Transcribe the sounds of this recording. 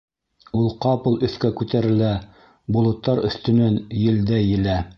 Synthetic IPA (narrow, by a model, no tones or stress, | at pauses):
ulˠqɑpɤ̆lˠɵ̆θkækʉt̪æɾɘ̆læ | bŏlˠɤ̆t̪ːɑɾɵ̰̆θt̪ɵ̆nænjɘ̆ld̪æjɘ̆læ